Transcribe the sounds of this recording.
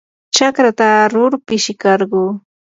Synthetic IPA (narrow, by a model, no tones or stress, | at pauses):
t͡ʃakɾat̪aɾʊɾpɪʃɪkɑɾɢuː